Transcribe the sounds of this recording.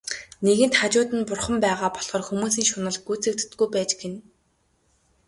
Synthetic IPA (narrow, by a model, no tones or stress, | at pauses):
neɣɘ̆nt̪χat͡ɕʊːt̪ɘ̆npʊrχə̆mpæːʁaːpɔɮχɔːrxumuːsiːŋʃʊnə̆ɮɡuːt͡sɘ̆k̚t̪ːɡujpæːt͡ɕɡen